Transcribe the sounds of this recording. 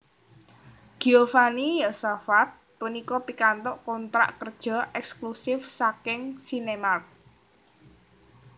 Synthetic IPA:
ɡ̥iofanijasafat̪̚punikɔpikant̪ɔʔkɔnt̪ɾa̰ʔkərd̥ʒ̥ɔ̤ʔɛksklusɪfsakɪŋsinemat̚

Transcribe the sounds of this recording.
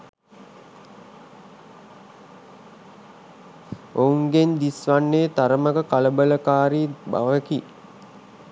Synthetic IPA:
ouŋɡend̪isʋanːeːt̪aɾəməkəkaləbələkaːɾiːba̰ʋəki

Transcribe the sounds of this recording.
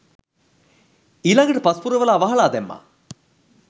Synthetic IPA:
ilɐŋɡɐʈəpɐspuɾɐʋɐlaːʋɐɦɐɭaːd̪emːa̰

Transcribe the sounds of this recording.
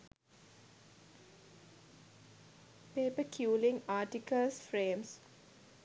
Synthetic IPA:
peːpəkʰjuːlɪ̃ŋaːʈikəlsfɾẽːms

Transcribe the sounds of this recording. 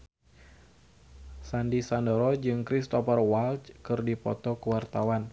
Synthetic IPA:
sandisandɔɾɔd͡ʒɨŋkɾist̪ɔfərwalt͡ʃkɨrdipɔt̪ɔkuwart̪awan

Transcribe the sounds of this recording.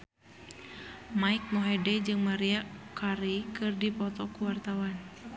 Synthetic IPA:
maik̚nɔɦɛdɛd͡ʒɨŋmaɾiakʰaɾikɨrdipɔt̪ɔkuwart̪awan

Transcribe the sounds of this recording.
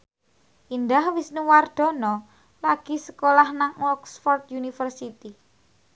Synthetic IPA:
ʔind̪ahwisnuward̪̥ɔ̤nɔ | laɡ̥isə̥kolahnaŋɔksfɔrt̪̚junifərsit̪i

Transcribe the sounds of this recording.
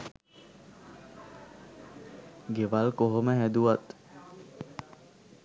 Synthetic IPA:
ɡeʋalkoɦoməɦæd̪uʋat̪

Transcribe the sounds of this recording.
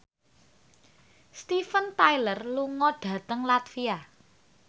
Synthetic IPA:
st̪ifənt̪ajlərluŋɔɖ̥ä̤t̪əŋlat̪fia

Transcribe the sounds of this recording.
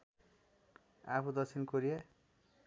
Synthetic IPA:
apʰud̪ʌt͡sʰinkoɾie

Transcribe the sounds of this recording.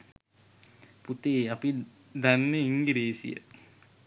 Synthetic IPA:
put̪eːapi | d̪anːeiŋɡiɾeːsḭjə̰

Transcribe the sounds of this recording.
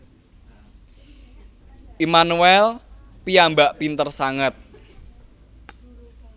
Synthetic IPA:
ʔimanuɛl | piambaʔpint̪ərsaŋət̪̚

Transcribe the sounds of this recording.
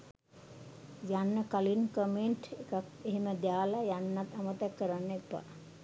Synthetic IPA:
janːəkalinkəmeɳʈekak̚eɦiməd̪jaːlajanːat̪amət̪akːəɾanːepːa̰

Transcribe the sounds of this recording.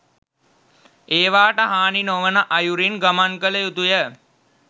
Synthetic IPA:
eːʋaːʈəɦaːninoʋənəʔajuɾinɡamaŋkələjut̪ujə

